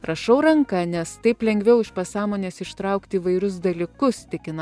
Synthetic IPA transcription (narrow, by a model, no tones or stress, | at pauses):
ɾɐʃɐʊɾɐŋkɐnʲɛst̪ɐɪplʲɛŋʲɡʲʋʲɛʊɪʃpɐsɑːmoːnʲeːsɪʃt̪ɾɐˑʊkt̪ʲiːʋɐɪɾʲʊs̬d̪ɐlʲɪkʊst̪ʲɪkʲɪnɐ